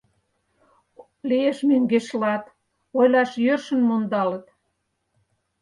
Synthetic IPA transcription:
lieʃmøŋɡeʃlɑt̪ | ojlɑʃjørʃə̆nmond̪ɑlə̆t̪

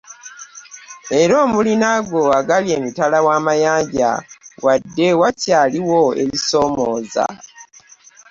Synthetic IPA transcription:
e̞ɾo̞ːmulinaɡoaɡalie̞ːmitalawaːmajaːɲɟa̰wadːe̞wacaːliwo̞e̞̰liso̞ːmoːza̰

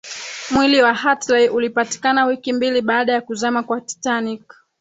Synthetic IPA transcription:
mwiliwahatlajʔulipati̥kanawikimbiliɓaːɗajakuzamakwati̥tanik

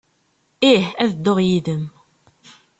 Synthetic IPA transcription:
ihæðd̪ːoʁjiðəm

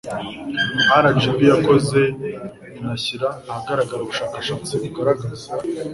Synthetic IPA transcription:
haɾad͡ʒibijako̞ze̞ | naçiɾaːhaɡaɾaɡaɾoβuʃaːkaʃaːt͡siiɡaɾaɡaza

